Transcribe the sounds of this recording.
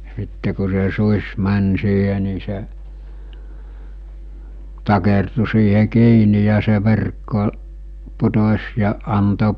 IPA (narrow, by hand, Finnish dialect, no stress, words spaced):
sitːe ku se susʲ mænʲ siːɦe ni se tɑkertu siːhe kiːni jɑ se ʋerkːo putosʲ jɑ ɑnto